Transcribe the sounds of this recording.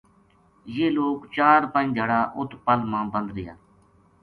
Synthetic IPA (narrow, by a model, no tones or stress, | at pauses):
jeːloːkt͡ʃaːɾpə̃ĩd͡ʒəɽaːʔʊt̪ʰːpəlmãːbə̃nd̪ɾɪja̰ː